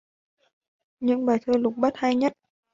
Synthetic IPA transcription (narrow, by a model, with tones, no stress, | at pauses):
ɲɨ̰˧˥ŋɓaː˨˩jt̪ʰəː˧lʊ˨˩k͡p̚ɓa˦˥t̚ha˧jɲə˦˥t̚